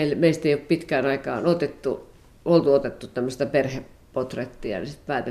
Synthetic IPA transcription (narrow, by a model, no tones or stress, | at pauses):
eilmeist̪eioˑppit̪kæːnɑikɑ̰ːnot̪et̪ːu | olt̪uot̪et̪ːut̪æmːøst̪ɑperhe | pot̪ret̪ːiɑ̰nisit̪pæːt̪e